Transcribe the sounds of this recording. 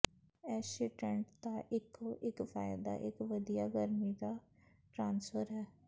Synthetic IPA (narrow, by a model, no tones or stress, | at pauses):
ɛːsiːʈəɳʈd̪aːʔɪkoʔɪkfaːjd̪a̰ːʔɪkʋəd̪ijaːɡəɾmiːd̪aː | ʈɾãːnsfəɾɦɛː